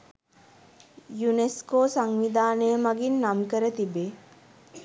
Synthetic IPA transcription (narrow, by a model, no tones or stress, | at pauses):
juneskoːsaŋʋid̪aːnəjəmaɡinːamkəɾət̪ibe